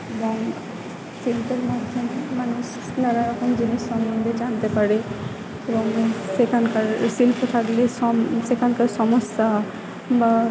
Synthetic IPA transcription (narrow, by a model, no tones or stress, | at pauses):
eboŋ | silpeɾmad̪ʱːomemanuʃ | nanaɾɔkomd͡ʑiniʃːɔmbond̪ʱed͡ʑant̪epaɾe | eboŋsekʰankaɾsilpʰot̪ʰakleʃɔsekʰankaɾʃɔmosːa | ba